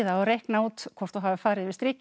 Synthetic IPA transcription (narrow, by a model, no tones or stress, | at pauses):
ðaaɾejhknauːt̪kʰvɔr̥t̪ɔɦaːvɪfaːɾɪðvɪst̪ɾɪːc